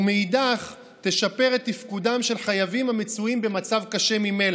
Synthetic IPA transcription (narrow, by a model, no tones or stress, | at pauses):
umeidaχ | t̪e̞ʃape̞ʁet̪ːifkud̪amʃe̞lχajavimamet͡suimbe̞mat͡savkaʃe̞mime̞la